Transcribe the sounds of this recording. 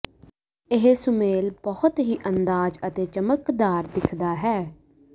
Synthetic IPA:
ɪɦsʊmeːlbəhʊt̪ɦiːʔənd̪aːd͡ʒət̪eːt͡ʃəməkd̪aːɾd̪ɪkʰd̪aːɦɛː

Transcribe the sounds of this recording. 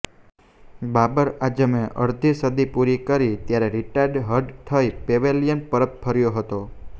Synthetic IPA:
babəɾad͡ʒəmẽʔəɾd̪ʱisəd̪ipuɾikəɾit̪jaɾeɾiʈaɾɖɦəɾɖt̪ʰəjpeʋeljənpəɾət̪̚pʰəɾjoɦət̪o

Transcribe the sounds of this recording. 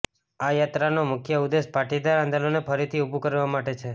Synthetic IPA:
ajat̪ɾanomʊkʰjəud̪espaʈid̪aɾãnd̪alonepʰəɾit̪ʰiubʱukəɾʋamaʈet͡ʃʰe

